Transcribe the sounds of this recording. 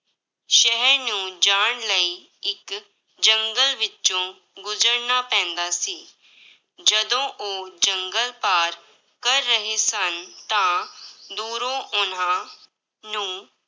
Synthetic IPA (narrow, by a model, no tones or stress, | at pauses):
ʃəɦəɾnũːd͡ʒaːɳləiː | ɪk | d͡ʒəŋɡəlʋɪõː | ɡʊzəɾnaːpɛ̃ːnd̪aːsiː | d͡ʒəd̪õːʔoːd͡ʒəŋɡəlpaːɾ | kəɾːəɦeːsənt̪ãːd̪uːɾõːʔʊn̤ãː | nũː